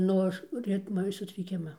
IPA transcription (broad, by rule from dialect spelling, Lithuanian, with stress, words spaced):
ˈnʊ ɐʃ ˈrʲɪtmɐ sʊtʲrʲɪˈkʲɪmɐ